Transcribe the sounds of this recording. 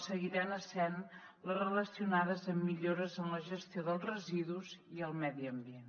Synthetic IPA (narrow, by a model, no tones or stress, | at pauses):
səɣiɾanəsɛn | lərələsiunaðəzəmːiʎoɾəzəmləʒəst̪ioðəlˠzrəziðuziəlˠmɛðiəmbien